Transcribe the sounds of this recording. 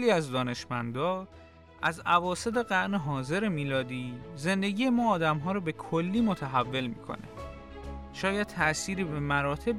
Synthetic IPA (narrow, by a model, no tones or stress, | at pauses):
liːæzd̪ɒːne̞ʃmænd̪ɒː | ʔæzævɒːse̞t̪ʰe̞ɣæɾneɦɒːze̞ɾemiːlɒːd̪iːze̞nd̪e̞ɟije̞mɒːd̪æmɦɒːɾɔːbe̞kʰolːiːmot̪ʰæɦævːe̞lmḭːkʰo̞̰nḛ | ʃɒːjæd̪̚t̪ʰæʔsiːɾiːbe̞mæɾɒːt̪ʰe̞b